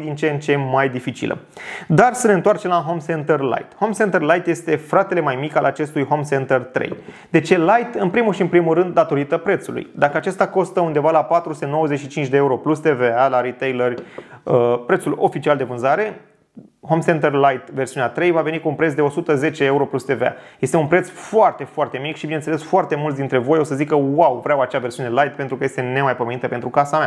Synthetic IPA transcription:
d̪int͡ʃent͡ʃe̞majd̪ifit͡ʃḭlʔə̰ | d̪arsəne̞ɨnt̪oart͡ʃe̞mlaɦo̞msent̪erla̰jt̪ho̞msent̪erlajt̪je̞st̪e̞fɾat̪e̞le̞majmikalʔat͡ʃe̞st̪ujɦo̞msent̪ert̪ɾḛj | d̪e̞t͡ʃe̞lajt̪ɨnpɾimulʃiɨnpɾimulrɨnd̪̚ːat̪o̞ɾit̪əpɾe̞t̪sulṵjd̪akəat͡ʃe̞st̪ako̞st̪əund̪e̞valapat̪ɾuseno̞wəze̞t͡ʃʃit͡ʃint͡ʃʲd̪eeuɾo̞plust̪e̞ve̞alaɾit̪ejlərʲəpɾe̞t̪sulo̞̰fit͡ʃiald̪e̞vɨnzaɾe̞ | ho̞msent̪erlajt̪ve̞rsiuneat̪ɾe̞jvave̞nikuːnpɾe̞t̪s̬d̪eo̞sut̪əze̞t͡ʃeeuɾo̞plust̪e̞vea̰je̞st̪e̞unpɾet̪sfoart̪e̞foart̪e̞mikʃibinesele̞sfoart̪e̞mult̪d̪int̪ɾe̞vo̞jo̞səzikəwawvɾʲeawat͡ʃeaversiune̞lajt̪̚pe̞nt̪ɾukəje̞st̪e̞ne̞majpome̞nit̪əpent̪ɾukasamea

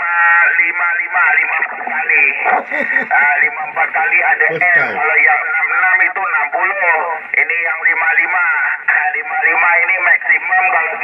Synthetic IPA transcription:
alimalimalimaakali | alimampakaliadɛɛɔlajanamnamit̪ɔnamkulmɔenijaŋlimalimalimalimainimɛksimamba

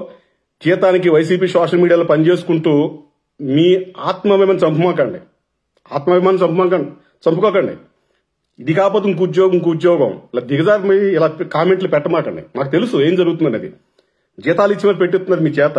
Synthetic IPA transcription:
d͡ʒiːt̪aːnikiʋɐjs̬iːp̬iːsaːʂɐlmiːɽijaːloːpɐnit͡ʃe̞ːsu̥kuɳʈuː | miːaːt̪mɐʋɐmɐnit͡ʃɐmpumaːkɐɳɖḭ | a̰ːt̪mɐbimaːnɐmt͡ʃɐmpumaːkɐɳɖi | t͡ʃɐmpukɔːkɐɳɖḭ | id̪ikaːp̬oːt̪̬ːuŋk̬ud͡ʒjɔːɡɐŋk̬ud͡ʒjɔːɡɐ̰mlaːd̪iɡɐd͡ʒaːɾmɐilaːkaːmeɳʈlupɛʈːɐmaːkɐɳɖḭmaːku̥t̪elusue̞ːmd͡ʒɐɾuɡut̪und̪ɐneːd̪ḭ | d͡ʒiːt̪aːluit͡ʃːimɐːpeʈːet̪undaːd̪imiːt͡ʃɛːt̪ː

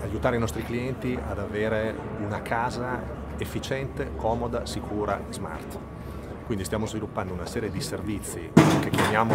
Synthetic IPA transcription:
ajut̪aːɾeinɔst̪ɾikliɛnt̪ia̰d̪aveːɾe | unakʰaːza | efːit͡ʃɛnt̪ekʰɔːmod̪asikʰuːɾa̰zma̰rt̪ | kwind̪ist̪jaːmozvilupːand̪ounasɛːɾjed̪iservit̪sːḭkekːjamjaːmo

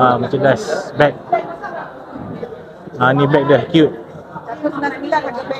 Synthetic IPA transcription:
amat͡ʃadasbɛk̚ | ãnĩbɛk̚dəkjut̚

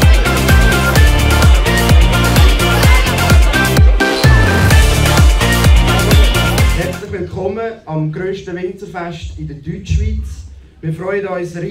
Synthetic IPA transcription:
hɛɾt͡slɪχʋɪlkχɔməɑmɡɾøːʃtəvɪnt͡səfɛʃtɪdədyːt͡ʃʃʋiːt͡s | mɪːfɾɔʏədɔʏsɾi

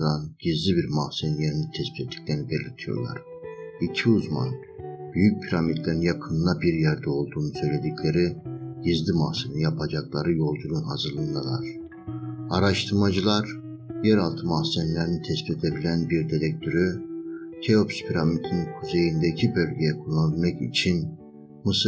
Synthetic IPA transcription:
d̪anɟ̥izlʲibiɾmahsenleɾinit̪ʰɛspʰit̪et̪ʰːi̥clʲeɾinibelʲiɾt̪ʰijo̰ɾlˠa̰ɾ̥ | icʰiuzma̰n | b̥yjyc̚pʰiɾamit̪lʲeɾinjakʰɯnlˠabiɾjæɾd̪ɛo̞lˠd̪uːnusø̞jlʲe̞d̪icʰlʲe̞ɾiɟ̥izlimahsenjapʰad͡ʒaklˠaɾɯjo̞lˠd̪uɾunɦazɯɾlˠɯnd̪ɯlˠa̰ɾ̥ | aɾaʃt̪ʰɯɾmad͡ʒɯlˠaɾ | jɛɾalˠt̪ʰɯmahsɛmlʲeɾinit̪ʰɛspit̪ʰe̞b̪ilʲænbiɾd̪it̪ʲɛc̚t̪ʰøɾyt̪ʰeopspʰiɾamit̪ʰinkʰuze̞jind̪ɛicʰibø̞lʲɟejɛkʰulˠːanilʲmɛcḭt͡ʃʰin | mɯsɯ

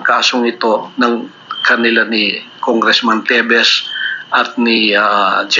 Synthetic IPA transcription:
ŋkaːsoŋɪt̪o̞nɐŋ | kɐnɪlanikoŋɡɾɛsmɐnt̪ɛbɛsʔɐt̪̚nɪad͡ʒ

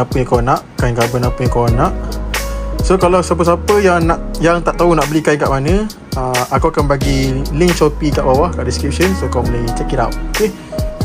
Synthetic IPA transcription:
apəãkanaʔkajŋkabənapəjãkaanãʔ | sokalawsap̬əsapəjaŋnaʔjaŋt̪aʔt̪aunaʔbəlikajŋkaʔmanə̃ | əakawakanbaɡilɪŋt͡ʃopikaʔbawahkaʔdiskɾip̚ʃənsokawməlajt͡ʃɛkida̰wt̪̚oke

